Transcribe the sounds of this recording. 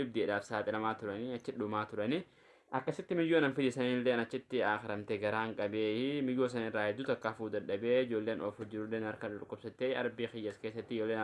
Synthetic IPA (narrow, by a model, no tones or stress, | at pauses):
ɪb̚d̪ɪɛᶑaːfsaːt̪ʼɪlɐmaːt̪ʊɾɐnɪɐt͡ʃːɪᶑʊmaːt̪ʊɾɐnɪ | ʔɐkːɐsɪt̪ːɪmɪjːoːnɐnfɪd̪ɪsɐniːlːeːnɐt͡ʃːɪt̪ːɪaːxɪɾɐmt̪ɛɡɐɾaːŋkʼɐbeːmɪjːoːs̬ɐnɪrːaːhɛd̪ːʊt̪ɐkːaːfuːd̪ɐᶑːɐbeːɪd͡ʒo̞ːlːe̞ːnʔɔfhʊd͡ʒːɪɾʊlːeːnɐɾkɐdɐɾkʼːɔbsɐt̪ːeːɐ̰ɾbiːxɪjːɐskeːsːɐt̪ːɪd͡ʒoːlːeːn